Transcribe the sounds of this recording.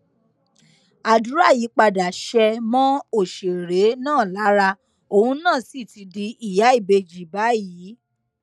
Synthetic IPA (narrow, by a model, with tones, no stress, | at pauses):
a˨du˨˦ɾa˦˨ji˨˦k͡pa˧da˨ʃɛ˧mɔ̃˦o˦˨ʃe˨ɾe˨˦nãː˦˨la˨˦ɾa˧ | o˧hũ˧˦nãː˦˨si˨ti˧di˧i˨ja˨˦i˦˨be˧d͡ʒi˨ba˨˦jiː˨˦